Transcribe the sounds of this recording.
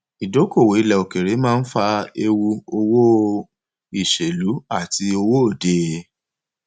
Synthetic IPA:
i˨do˨˦ko˦˨wo˨˦i˨lɛ˨o˨ke˨ɾe˨˦mãː˦˧n̩˦fa˧e˧wu˧o˧wo˦ | i˦˨ʃe˨lu˨˦a˦˨ti˧˦o˧wo˦o˦˨de˧˦

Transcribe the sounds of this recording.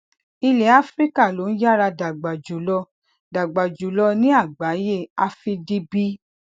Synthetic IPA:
i˧le˨a˦fɾi˦ka˦˨lo˨˦n̩˦ja˦ɾa˧da˨ɡ͡ba˨d͡ʒu˨˦lɔ˧˦ | da˨ɡ͡ba˨d͡ʒu˨˦lɔ˧nĩ˦a˦˨ɡ͡ba˨˦je˦˨a˧fi˧di˦bi˦

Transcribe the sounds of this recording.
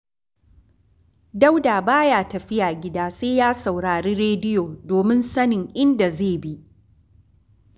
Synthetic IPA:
da˦wdaː˨baː˦jaː˦tɐ˨ɸɪ˦jaː˨ɡʲɪ˦daː˦seː˦jaː˦sa˨wɽaː˨ɽiː˦ɾeː˦dɪ˦joː˨doː˨mɪ˦nsɐ˦nɪ˨ŋʔɪ˦nda˨zeː˦˨bi˦ʔ

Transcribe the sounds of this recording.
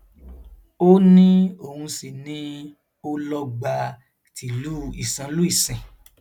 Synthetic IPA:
o˦nĩ˦o˦˨hũ˧si˨nĩ˦ | o˦lɔ˦ɡ͡ba˧ | tʰi˨lu˦i˨sã˨˧˦lu˦i˦˨sɛ̃˨

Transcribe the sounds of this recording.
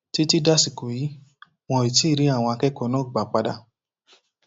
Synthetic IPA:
ti˦ti˦da˦si˨ko˨ji˨˦ | w̃ɔ̃˧i˨ti˨˦˨ɾi˨˦a˦˨w̃ɔ̃˧a˧kɛ˦kɔ˧˦nɔ̃˦˨ɡ͡ba˨k͡pa˧da˧˨

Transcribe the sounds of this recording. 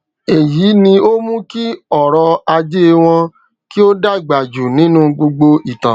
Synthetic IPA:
e˨jiː˨˦nĩ˧o˦mũ˦ki˦ɔ˨ɾɔ˧a˧d͡ʒe˦w̃ɔ̃˧ | ki˦o˦da˦i˨ɡ͡ba˨d͡ʒu˨nĩ˦nũ˦ɡ͡bo˧ɡ͡bo˧i˨tã˨

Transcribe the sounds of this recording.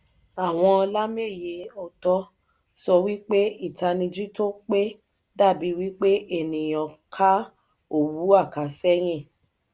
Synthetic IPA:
a˨w̃ɔ̃˧ɔ˧la˦me˦˨je˨o˨tɔ˧ | sɔ˧wi˦k͡pe˦i˦˨ta˧nĩ˧d͡ʒi˦to˦k͡pe˦ | da˦˨bi˨˦wi˦k͡pe˦ʔe˦˨nĩ˨j̃ɔ̃˨kʰa˦ | o˦˨wu˨˦a˦˨ka˨˦sɛ˦j̃ĩ˦˨

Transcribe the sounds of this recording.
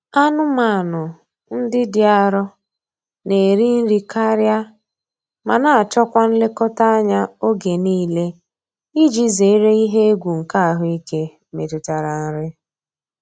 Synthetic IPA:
a˦nʊ˦ma˨nʊ˨ | n̩˦dɪ˦dɪ˨a˨ɾɔ˦ | ne˨ɾi˦n̩˦ɾi˨ka˦ɾja˦ | ma˨na˨a˨t͡ʃɔ˦kʷa˦n̩˦lɪ˦kɔ˦ta˦a˦ɲa˦o˦ɡe˨niː˦le˦ | i˦d͡ʒi˦ze˨˦ɾe˦i˦ɦe˦e˦ɡʷu˨ŋ̩˨ka˦a˨ɦʊ˦i˦ke˦ | me˨tʊ˨ta˨ɾa˨n̩˦ɾɪ˦

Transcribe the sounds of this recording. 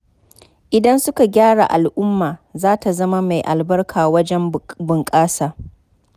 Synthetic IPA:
ʔɪ˨dɐ˦nsʊ˦ka˨ɡʲaː˦ɽa̰˨ʔa˨lʔʊ˦mːaː˨zaː˦ta˨zɐ˦ma˦ma˨jʔa˨lbɐ˦rkʰaː˨wɐ˦d͡ʒɛ˦mbʊ˨ŋkʼaː˦saː˨

